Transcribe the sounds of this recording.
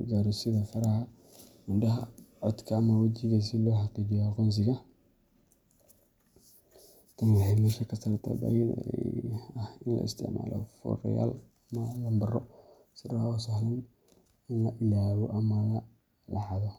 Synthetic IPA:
d͡ʒaːɾɔsɪðɐfɐɾɐɦɐ | ɪnɖɐɦɐ̰ʕɔd̪kʰɐːmɐwɐt͡ʃɪɣɐs̬ɪlɔːħɑqiːd͡ʒɪjɔqɔns̬ɪɣɐ | t̪ʰɐnwɪħɑjmɛːʃɐkʰɐsɐɾt̪ʰɐ̰bɐ̰jd̰ɛɛ̰ɐhɪnlɐ̰ɪ̰st̪ʰɪ̰ʕma̰ːlɔ̰fʊ̰ɾɐ̰ja̰ːlɐmɐlɐmbɐrɔ̰ | sɪɾɐhɔsɐhlɐn | ɪnlɐʔɪlaːβɔ̰ʔɐmɐlɐ | lɑʕɑðɔ

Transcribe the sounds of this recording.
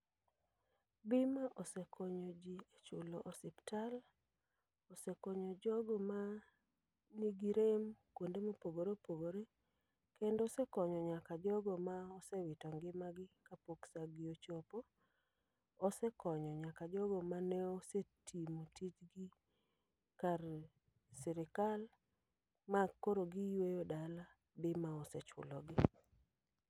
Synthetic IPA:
bɪmaʔɔsekʰoɲod͡ʒiet͡ʃoloʔosɪptal | osekoɲɔd͡ʒɔɡɔma | niɡiɾemkwondemopoɡoɾepoɡoɾe | kendɔsekɔɲɔɲakad͡ʒɔɡɔmaɔsɛwɪtɔŋɡɪmaɡɪkapoksaɡɪot͡ʃopo | sɛkɔɲɔɲakad͡ʒɔɡɔmanɛosetʰimotit͡ʃɡɪ | kar | sɪɾɪkal | makːoɾoɡɪjwejodala | bɪmaɔsɛt͡ʃʊ̰lɔɡɪ

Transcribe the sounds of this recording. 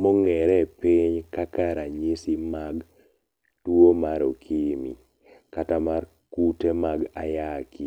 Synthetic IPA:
mɔŋɛɾɛpiɲkakaɾaɲisimaɡ | tuomaɾokʰimḭ | katamar | kutemaɡajaki

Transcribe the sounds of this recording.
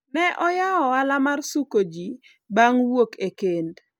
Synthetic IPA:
nɛʔɔjaɔalamarsukod͡ʒi | baŋwokekend

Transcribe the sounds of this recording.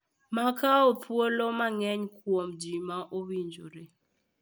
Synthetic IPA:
makaopʰwolomaŋɛɲkwomd͡ʒimaʔowiɲd͡ʒo̰ɾe

